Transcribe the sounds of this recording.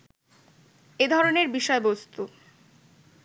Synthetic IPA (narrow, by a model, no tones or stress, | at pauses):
ed̪ʱɔɾoneɾbiʃɔebost̪u